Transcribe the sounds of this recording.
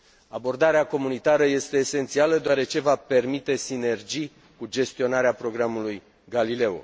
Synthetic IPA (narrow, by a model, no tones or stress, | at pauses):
abo̞rd̪aɾeako̞munit̪aɾəje̞st̪e̞ːse̞nt̪sialəd̪oaɾe̞t͡ʃe̞vape̞rmit̪e̞sine̞rd͡ʒij | kud͡ʒe̞st̪io̞naɾeapɾo̞ɡɾamuluj | ɡalile̞o̰